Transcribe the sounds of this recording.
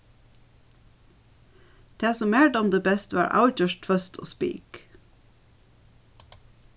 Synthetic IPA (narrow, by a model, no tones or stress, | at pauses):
d̪̥eːsɔmæːɖmd̪eːbɛst̪ʋɑ̰ːɹʔa̰ʊc͡çœʃtfœst̪ʰo̰ːspḭːk